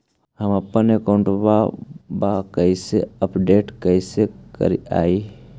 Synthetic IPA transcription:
həmɐpːənekaʊɳʈbabakəiseəpɖeːʈkəisekə̰ɾia̰ːi

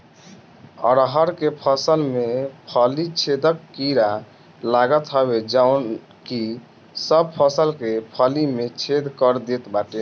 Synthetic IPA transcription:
ə̰ɾɦəɾkepʰəsəlmepʰəlit͡ʃʰed̪əkːiɾa | laɡət̪ɦəbed͡ʒaun | ki | səb̚pʰəsəlkepʰəlimet͡ʃʰed̪kəɾd̪et̪baʈe

